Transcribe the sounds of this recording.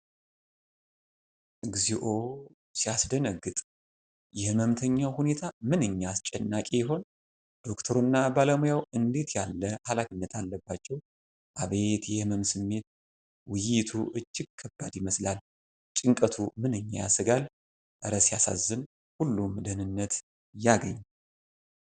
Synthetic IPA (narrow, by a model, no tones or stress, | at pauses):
ʔɨɡziʔo̞ | sijasd̪ənəɡːɨt̪ʼ | jɛhməmt̪ʰəɲːawhune̞t̪ʰamɨnɨɲːast͡ʃʼɛnːakʼejɛɦo̞n | d̪̥o̞kt̪ʰəɾunːabaləmojawɨnd̪e̞t̪ʰjalːəhalafinːət̪ʰalːəbːat͡ʃːɛw | ʔaβe̞t̪jɛhməmsɨmːe̞t̪̚ | wɪjɪt̪ʰuʔɨd͡ʒːɪɡ̚kʰːəbːad̪jɪməslal | t͡ʃʼɪŋkʼət̪ʰumɨnɨɲːaja̰sɨɡal | ʔəɾəsijasa̰zːɨn | hulːumd̪ənɨnːət̪ | jaɡəɲː